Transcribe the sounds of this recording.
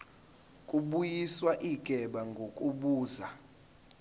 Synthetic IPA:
kʼuɓujiswaʔiɡ̥ʱɛɓaŋɡʱokʼuɓuːza

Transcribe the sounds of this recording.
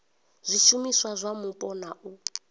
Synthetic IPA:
z̥ʷiʃumiswazʷamupʼɔnaʔu

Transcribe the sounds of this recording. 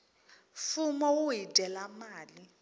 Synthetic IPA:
fumɔwuidʼɛlamaːli

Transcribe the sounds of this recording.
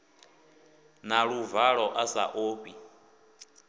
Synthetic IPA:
naɺuvaɺɔʔasa̰ʔoːpi

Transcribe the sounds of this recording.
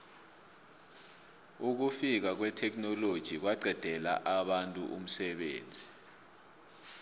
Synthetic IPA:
uk̬ufik̬ak̬wɛtʰɛk̬ʼnɔlod̥ʒ̥ʱik̬waɡ͡ǀʱɛd̥ʱɛla̰ʔaɓantʼṵʔṵm̩sɛɓḛːnd͡zʱi

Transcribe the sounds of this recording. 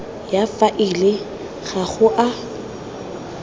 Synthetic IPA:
jafaʔilɪ | ɣaɣʊʔa

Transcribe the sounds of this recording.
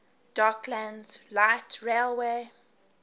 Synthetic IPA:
d̥akʰlæ̃ndz̥laɪtʰɹelwe

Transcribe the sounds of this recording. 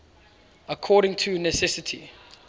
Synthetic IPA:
əkʰɔːɾɪ̃ŋtʰunɛsɛsɪtʰi

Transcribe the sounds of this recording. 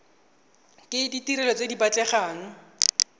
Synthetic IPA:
kʼɪditiɾɛlɔt͡sedibat͡ɬʼɛχaːŋ̩

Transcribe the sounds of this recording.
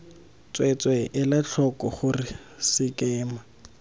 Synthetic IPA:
t͡sʼwet͡swɛʔɪlat͡ɬʰɔkɔχʊrɪ | sɪkɛːma

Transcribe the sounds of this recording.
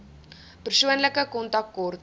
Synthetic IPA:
pərsuənləkəkɔntɑk̚tkɔr

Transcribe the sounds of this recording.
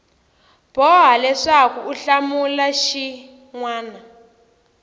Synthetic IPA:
b̥ʱɔɦalɛʂakuuɬamulaʃi | ŋwaːna

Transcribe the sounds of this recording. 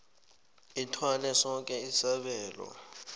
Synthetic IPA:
itʰwanɛsɔŋkʼɛisaɓɛːlwa̰

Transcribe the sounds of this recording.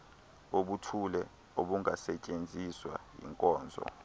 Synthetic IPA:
oɓutʰulɛ | oɓuŋʱasɛt͡ʃʼend͡zʱiswa̰jḭŋkʼɔːnd͡zʱɔ̰

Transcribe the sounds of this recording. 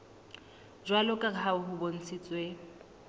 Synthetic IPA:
d͡ʒwalɔkʼakʰaʊɦʊbon̩t͡sʰit͡sʼwe

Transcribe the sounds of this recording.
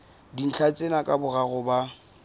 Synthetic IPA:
din̩t͡ɬʰat͡sʼenakʼabʊɣaɣʊba

